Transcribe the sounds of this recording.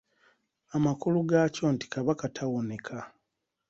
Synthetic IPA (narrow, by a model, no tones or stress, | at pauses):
amakuluɡaːco̞nti̥kaβakatʰawonekʰa